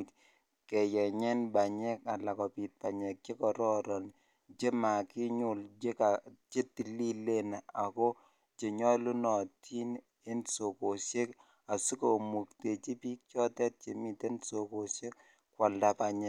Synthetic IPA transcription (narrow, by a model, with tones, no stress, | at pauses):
kɛ˨jɛ˨ɲɛ˦nba˨ɲɛ˦ka˨la˨kɔ˨pi˨t̚pa˨ɲɛ˨k̚t͡ʃe˦kɔ˨ɾɔ˦ɾɔ˨n | d͡ʒe˦ma˨kɪ˦ɲʊ˦˨ld͡ʒe˦ka˨t͡ʃe˦ti˨li˦le˦na˨a˨kɔ˦ | t͡ʃe˨ɲɔ˦lu˦nɔ˨tʰi˦n | e˦nso˨ko˨ʃe˦k | a˨su˦ko˨mu˨k̚te˨t͡ʃi˦pi˦k̚t͡ʃɔ˦tɛ˦t̚t͡ʃe˨mi˨te˦nso˨ko˨ʃe˦k | kːwa˨lda˨pa˨ɲɛ˨